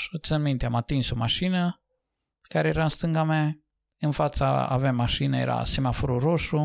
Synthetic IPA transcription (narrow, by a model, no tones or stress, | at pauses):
ot̪sanmint̪eamat̪inso̞maʃinə | kaɾe̞jeɾaɨnst̪ɨŋɡama | ɨnfat̪saa̰vemːaʃinəjeɾa̰simafoɾuɾoʃu